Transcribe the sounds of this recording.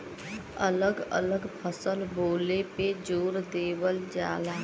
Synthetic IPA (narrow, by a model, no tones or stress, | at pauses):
ə̰ləɡə̰ləɡpʰəsəlboːleped͡ʒoːɾd̪eːwəld͡ʒa̰ːlaː